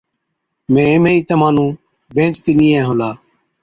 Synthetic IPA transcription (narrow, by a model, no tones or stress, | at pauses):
mẽːeːmẽːiːt̪əmãːnũː | bẽːt͡ʃt̪iːnĩːẽːɦõːlaː